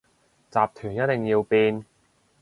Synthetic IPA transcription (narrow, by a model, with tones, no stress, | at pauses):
t͡saː˨p̚t̪ʰyː˨˩njɐ˥t̚t̪ɪ˨ŋjiː˧wpiː˧n